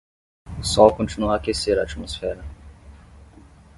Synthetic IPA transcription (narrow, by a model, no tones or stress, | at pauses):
sɔwkõnt͡ʃinuaːkeseɾɐːt͡ʃmosfɛɾɐ